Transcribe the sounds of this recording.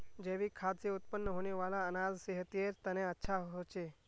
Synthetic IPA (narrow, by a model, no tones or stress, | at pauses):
d͡ʒeʋikʰad̪seʊt̪pənːəɦoneʋalaənazseɦət̪ieɾt̪əneətːʃʰaɦot͡ʃʰe